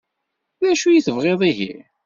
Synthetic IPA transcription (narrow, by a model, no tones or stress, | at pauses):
ðæʃujiθəvʁeðˤiɦḭ